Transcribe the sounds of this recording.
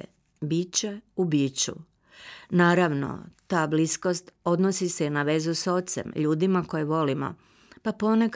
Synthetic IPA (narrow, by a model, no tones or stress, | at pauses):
bit͡ɕe̞ubiːt͡ɕṵ | naːɾaʋno̰t̪aːblisko̞st̪o̞d̪nosiseinaʋe̞zuso̞t̪se̞̰mʎuːd̪imako̞jeʋo̞limo̞̰ | papo̞nek